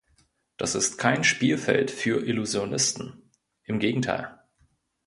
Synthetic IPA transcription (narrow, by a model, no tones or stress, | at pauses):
d̥asɪstkʰaɪnʃpiːlfɛ̰ltfyːɐʔɪluzjonɪstn̩ | ʔɪmɡeːɡŋ̩tʰa̰ɪl